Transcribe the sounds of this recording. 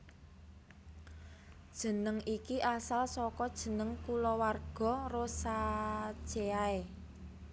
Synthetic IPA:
d̥ʒ̥ə̤nəŋikiʔasalsɔkɔd̥ʒ̥ə̤nəŋkulɔwarɡ̥ɔ̤rosḁʒ̥eae

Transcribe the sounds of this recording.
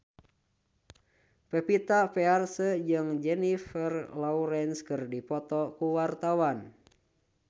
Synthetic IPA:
pɛpit̪apɛarsəd͡ʒɨŋd͡ʒɛnifərlɔuɾɛnskɨrdipɔt̪ɔkuwart̪awan

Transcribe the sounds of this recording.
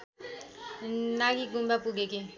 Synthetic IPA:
naɡiɡumbʱapuɡeki

